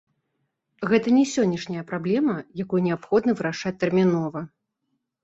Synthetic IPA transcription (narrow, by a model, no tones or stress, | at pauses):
ɣɛt̪ɐnʲɛsʲɔnʲːɐʂnʲɐjɐpɾablʲɛmɐjakujunʲɛapxɔd̪nɐvɨɾaʂat͡sʲt̪ɛrmʲinɔvɐ